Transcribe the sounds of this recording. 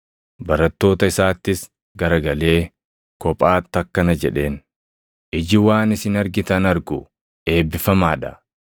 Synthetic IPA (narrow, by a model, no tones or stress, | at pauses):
bɐɾɐt̪ːo̞ːt̪ɐɪsaːt̪ːɪs | ɡɐɾɐɡɐle̞ː | kɔpʼaːt̪ːɐkːɐnɐd͡ʒɛ̰ᶑe̞ːn | ʔɪd͡ʒɪwaːnɪsɪnɐɾɡɪt̪ɐnɐɾɡʊ | ʔe̞ːbːɪfɐmaːᶑɐ